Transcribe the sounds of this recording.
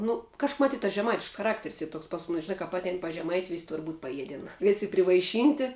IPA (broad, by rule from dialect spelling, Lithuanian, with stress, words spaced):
ˈnʊ kɐʃ mˈɑːtʲiːt tɐs ʒʲɛˈmɐɪtʲɪʃks xɐˈrɑːktʲɛrʲsʲ ˈiː ˈtoːks pɐs ˈmʊnʲɪs ʒʲɪˈnɑː kɐp ˈɑːtʲɛɪn pɐs ʒʲɛˈmɐɪtʲɪ ʋʲɪsʲ tʊr buːtʲ pɐˈjiɛdʲɛn ˈʋʲeːsʲɪ pʲrʲɪʋɐɪˈʃʲiːnʲtʲɪ